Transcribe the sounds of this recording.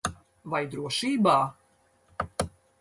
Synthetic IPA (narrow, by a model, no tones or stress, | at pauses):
vajd̪ɾuɔʃiːbaː